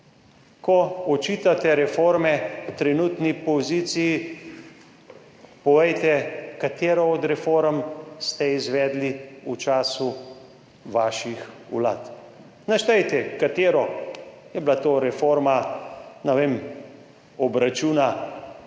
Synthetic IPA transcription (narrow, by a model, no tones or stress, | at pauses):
kɔɔt͡ʃiːt̪at̪ɛɾɛfoɾmɛt̪ɾɛnuːt̪nipɔzit̪siji | pɔʋɛjt̪ɛkat̪eːɾɔɔd̪ɾɛfoɾəmst̪ɛizʋɛːd̪liut͡ʃaːsu | ʋaːʃixṵla̰ːt̪ | naʃt̪ɛjt̪ɛkat̪eːɾɔjɛblat̪oːɾɛfoɾmanɛʋeːm | ɔbɾat͡ʃuːna